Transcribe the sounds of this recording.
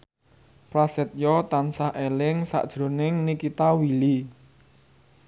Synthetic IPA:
pɾasɛt̪̚jɔt̪ansahʔelɪŋsa̰ʔd̥ʒ̥ɾo̤nɪŋnikit̪awili

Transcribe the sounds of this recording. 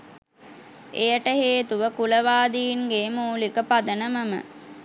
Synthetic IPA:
ejəʈəɦeːt̪uʋəkuləʋaːd̪iːŋɡeːmuːlikəpad̪ənəməmə̰

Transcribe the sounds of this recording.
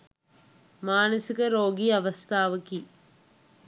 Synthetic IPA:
maːnɐsikɐɾoːɡiɐʋɐst̪ʰaːʋɐkːi

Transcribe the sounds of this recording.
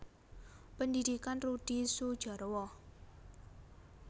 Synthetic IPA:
pəndid̪̥ikanrud̪̥isud̥ʒ̥ɔ̤ɾwɔ

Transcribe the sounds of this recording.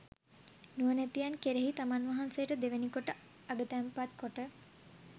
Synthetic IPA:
nuənæt̪ijankeɾeɦit̪amanʋaɦansejəʈəd̪eʋenikoʈə | aɡət̪æmpat̪koʈə

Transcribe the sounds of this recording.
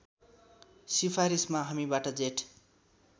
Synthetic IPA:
sipʰaɾismaɦʌmibaʈʌd͡zeʈ

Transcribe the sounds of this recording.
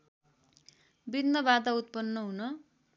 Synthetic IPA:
binːʌbad̪aut̪̚pʌnːʌɦunʌ

